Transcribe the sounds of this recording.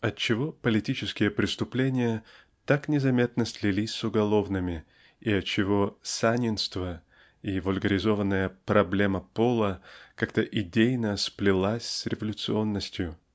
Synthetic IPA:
ɐt̚t͡ɕːɪvo̞pəlʲɪtʲit͡ɕɪskʲɪjəpɾʲɪst̪ʊplʲenʲɪjə | t̪aknʲɪzɐmʲe̞t̪̚nəslʲɪlʲisʲsʊɡɐlˠo̞vnɨmʲɪ | iɐtt͡ɕːɪvo̞sanʲɪnst̪və | ivʊlʲɡəɾʲɪzo̞vənːəjəpɾɐblʲe̞məpolˠəkakt̪əʔɪdʲejnəsplʲɪlˠasʲsɾʲɪvəlʲʊt̪sɨo̞nːəsʲtʲjʊ

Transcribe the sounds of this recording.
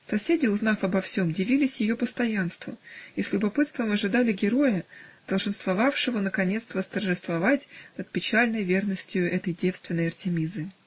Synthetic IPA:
sɐsʲedʲɪʊzn̪afɐbɐfsʲo̞mdʲɪvʲilʲɪsʲjɪjo̞pəst̪ɐjanst̪vʊisʲlʲʊbɐpɨt̪st̪vəmɐʐɨd̪alʲɪɡʲɪɾo̞jəd̪̥əlˠʐɨnst̪vɐvafʂɨvənəkɐnʲe̞t̪st̪vəst̪ərʐɨst̪vɐvatʲnət̪̚pʲɪt͡ɕalʲnəjvʲernəsʲtʲjʊɛt̪əjdʲe̞fst̪vʲɪnːəjɐrtʲɪmʲizɨ

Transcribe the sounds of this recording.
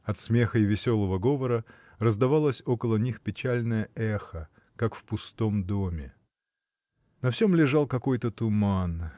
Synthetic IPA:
ɐt̪smʲe̞xəjvʲɪsʲo̞lˠəvəɡo̞vəɾə | rəzd̪ɐvalˠəsʲo̞kəlˠənʲixpʲɪt͡ɕælʲnəjəʔɛxə | kakfpʊst̪o̞md̪o̞mʲɪ | nɐfsʲo̞mlʲɪʐalˠkɐko̞jt̪ət̪ʊman

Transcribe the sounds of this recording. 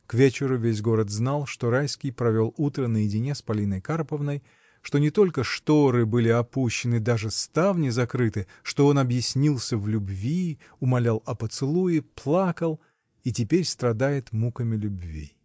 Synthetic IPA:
kvʲet͡ɕɪɾʊvʲes̬ʲɡo̞ɾət̪znalˠʂt̪o̞ɾajskʲɪjpɾɐvʲo̞lˠut̪ɾənəjɪdʲɪnʲespɐlʲinəjkarpəvnəj | ʂt̪o̞nʲɪt̪o̞lʲkəʂt̪o̞ɾɨbɨlʲɪɐpuɕːɪnɨd̪aʐɨst̪avnʲɪzɐkɾɨt̪ɨ | ʂt̪o̞o̞nɐbjɪsʲnʲilˠsʲəvlʲʊbvʲi | ʊmɐlʲalˠɐpət̪sɨlˠujɪplˠakəlˠ | itʲɪpʲeɾʲst̪ɾɐd̪ajɪt̪mukəmʲɪlʲʊbvʲḭ

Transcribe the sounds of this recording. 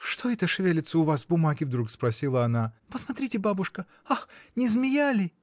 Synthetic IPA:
ʂt̪oɛt̪əʂvʲelʲɪt̪səʊvasbʊmaɡʲɪvd̪ɾukspɾɐsʲilˠəɐnapəsmɐt̪ɾʲitʲɪbabʊʂkə | axnʲɪzmʲɪjalʲɪ

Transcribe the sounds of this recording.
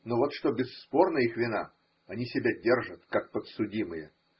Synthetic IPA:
novot̪ʂt̪obʲɪsːpo̞rnəixvʲɪna | ɐnʲisʲɪbʲadʲerʐət̪kak̚pət̪sʊdʲimɨjə

